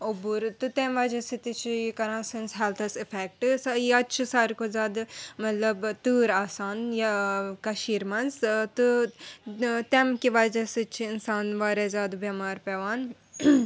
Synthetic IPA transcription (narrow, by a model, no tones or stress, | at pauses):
obuɾt̪ɨt̪emʋad͡ʒɐsit̪it͡ʃʰijikɐɾãːsɐnsɦɛlt̪ʰɐsɪfʰeːk̚ʈsiɐt͡ʃʰisaːɾkozʲaːd̪mɐt̪lɐbt̪ɨːɾaːsaːnjkɐʃiːɾmɐnst̪u | t̪emkiʋaːd͡ʒɐsɨt͡ʃʰiɪnsaːnʋaːɾezaːd̪bjɐmaːɾpeʋaːn